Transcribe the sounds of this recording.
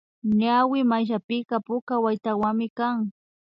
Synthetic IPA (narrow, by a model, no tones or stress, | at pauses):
ɲawɪmaʃ̬apɪkapʊkawajt̪awaŋmɪkaŋ